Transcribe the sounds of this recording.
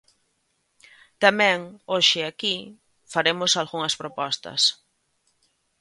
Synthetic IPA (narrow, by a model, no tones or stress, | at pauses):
t̪amɛ̃ŋoʃɪaki | faɾemʊsalɣuŋɐspɾopɔst̪ɐ̰s